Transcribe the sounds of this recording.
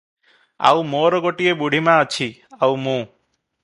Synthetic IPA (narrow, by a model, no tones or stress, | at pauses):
a̰wmoɾɔɡoʈiebuɽ̤ʱimãːt͡ʃʰiawmũ